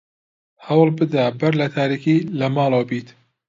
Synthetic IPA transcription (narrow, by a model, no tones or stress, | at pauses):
hɐwlbɨd̪abɐɾlɐt̪ʰaːɾiːkiːlɐmɑːlawbiːt̪